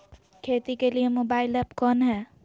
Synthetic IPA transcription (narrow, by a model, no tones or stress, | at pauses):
kʰet̪ikelijemobailɛpkʌnɦɛ